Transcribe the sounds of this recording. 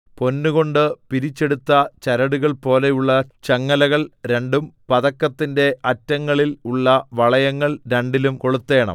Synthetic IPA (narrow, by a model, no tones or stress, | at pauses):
po̞nːuɣo̞ɳɖɨpiɾit͡ɕːe̞ɽut̪ːɐt͡ɕɐɾɐɽuɣɐɭpo̞ːle̞juɭːɐt͡ɕɐŋːɐlɐɣɐɭɾe̞ɳɖumpɐðɐkːɐt̪ːinde̞ʔɐtːɐŋːɐɭiluɭːɐʋɐɭɐjɐŋːɐɭɾe̞ɳɖilumko̞ɭut̪ːe̞ːɳɐ̰m